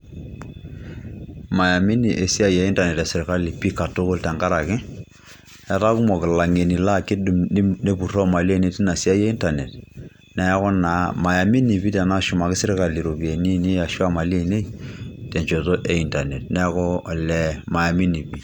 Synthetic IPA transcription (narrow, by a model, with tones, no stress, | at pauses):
ma˨ja˨mi˦ni˨ʔe˨si˦a˦je˨˦i˦nta˨nɛ˨tɛ˨sɪ˨ɾka˦li˨pi˦ka˨to˦ko˦ltɛ˨ŋka˦ɾa˨kɪ˦ | ɛ˦ta˦ku˦mɔ˨kɪ˨la˨ŋe˨ni˨la˦kɪ˦du˨mni˦ne˦pu˨rɔ˦ma˨li˦e˦ne˦˨ti˦na˨si˦a˦je˦i˦nta˨ne˨t | nɛ˨ja˦kɔ˦na˨ma˨ja˨mi˦ni˨pi˦tɛ˨na˦ʃʊ˨ma˨kɪ˦sɪ˦ɾka˨li˨ɾo˨pi˨e˨ni˦ni˦a˨ʃwa˦ma˨li˦e˦˨ne˦ite˨ɲt͡ʃo˨to˦ʔe˨i˦nta˨ne˨t̚nɛ˦kɔ˦˨lɛ˨ma˨ja˨mi˦ni˨pi˨